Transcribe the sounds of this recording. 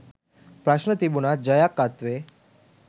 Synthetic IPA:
pɾaʃnət̪ibunad͡ʑəjakːat̪ʋe

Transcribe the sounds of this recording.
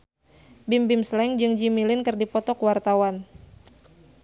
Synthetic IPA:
bimbɪmslɛŋd͡ʒɨŋd͡ʒimilɪnkɨrdipɔt̪ɔkwart̪awan

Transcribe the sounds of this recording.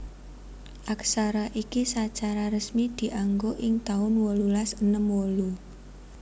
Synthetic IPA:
ʔaksaɾaʔikisat͡ʃaɾaɾəsmid̪̥i̤ʔaŋɡoʔɪŋt̪aʊnwolulasənəmwolu

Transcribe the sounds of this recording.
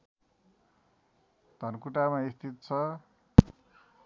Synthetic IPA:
d̪̥ʱʌnkuʈamaist̪ʰit̪̚t͡sʰʌ

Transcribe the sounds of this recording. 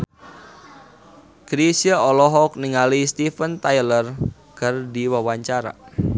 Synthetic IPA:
ɡ̥ɾisiaɔlɔɦɔk̚niŋalist̪ifənt̪ajlər | kərdiwawaɲt͡ʃaɾa̰

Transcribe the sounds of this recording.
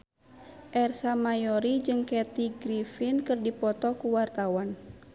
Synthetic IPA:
ʔɛrsamajɔɾid͡ʒɨŋkɛt̪iɡɾifinkɨrdipɔt̪ɔkuwart̪awan

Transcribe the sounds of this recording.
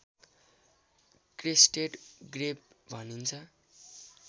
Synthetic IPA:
kresʈeʈɡrepbʱʌnint͡sʰʌ

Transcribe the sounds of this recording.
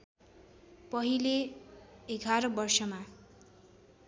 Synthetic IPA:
pʌɦile | eɡʱaɾʌbʌrsʌma

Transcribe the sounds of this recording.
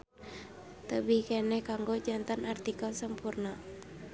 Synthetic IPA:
t̪əbihkɛnɛhkaŋɡod͡ʒant̪anart̪ikəlsəmpurna

